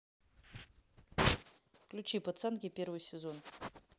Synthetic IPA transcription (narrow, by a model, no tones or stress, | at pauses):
klʲut͡ʃipɐt̪sankʲepʲe̞rvɨjsʲezo̞n